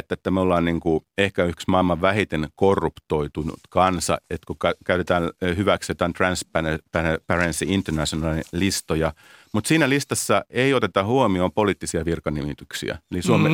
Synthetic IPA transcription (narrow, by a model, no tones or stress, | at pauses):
t̪ːæet̪ːæmeolːɑːnniŋkuehkæyhksmɑilmɑʋʋæhit̪enkorːupt̪oit̪unṵt̪kɑnsɑ̰et̪kukækæyt̪et̪æːnhyʋækset̪æːnt̪rɑnsppæpærensiint̪ːernæsonɑlilist̪ojɑ | mut̪siːnælist̪ɑsːɑʔeiot̪et̪ɑhuomioːmpoliːt̪ːisiɑʋirkɑnimit̪yksḭæ̰elisuome